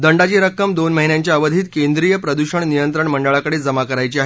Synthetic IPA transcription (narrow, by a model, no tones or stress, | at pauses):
d̪əɳɖat͡ɕiːɾəkːəmd̪onməɦinjaɲt͡ɕjaəʋəd̪ʱiːt̪̚kend̪ɾijəpɾəd̪uɕəɳnijənt̪ɾəɳməɳɖəɭakəɽed͡zəmakəɾajt͡ɕiaɦe